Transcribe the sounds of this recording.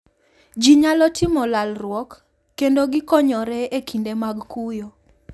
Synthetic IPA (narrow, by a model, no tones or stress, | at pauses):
d͡ʒiɲalɔtɪmɔlalrwɔkː | endoɡɪkɔɲɔɾɛekindemaɡkujo